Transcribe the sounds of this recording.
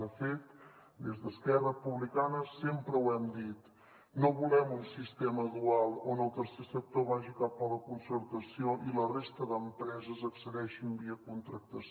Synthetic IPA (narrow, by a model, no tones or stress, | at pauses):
əfet̪ | d̪ezðəskɛrəpuβlikanəsempɾəwɛmd̪it̪ | noβulɛmunsist̪eməðualˠonəlˠt̪əɾsesək̚t̪oβaʒikapːələkunsəɾt̪əsioʔilərest̪əðəmpɾɛzəzəksəðɛʃimbiəkunt̪ɾək̚t̪əs